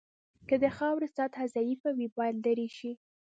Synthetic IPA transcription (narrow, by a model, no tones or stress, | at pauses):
kəd̪əxɑwɾəsɑt̪hazajifawibɑjad̪ləɾiʃi